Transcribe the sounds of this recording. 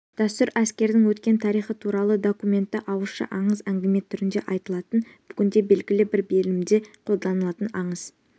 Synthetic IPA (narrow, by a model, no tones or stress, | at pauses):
d̪̥æst̪ʊɾæskʲe̞ɾd̪ɪŋwɵt̪kʲe̞nt̪ʰɑɾijχət̪ʰuɾɑlˠəd̪o̞kumʲe̞nt̪ːɪʔɑwəlˠʃə̰ʔɑɴəzæŋɡʲeme̞t̪ʰːʏɾɪnd̪e̞ʔɑjt̪əlˠɑt̪ənb̥ʏɡʲɪnd̪e̞be̞lɡʲɪlɪbɪɾbe̞lɪmd̪e̞qʰo̞lˠd̪ɑnəlˠɑt̪ənɑɴəz̥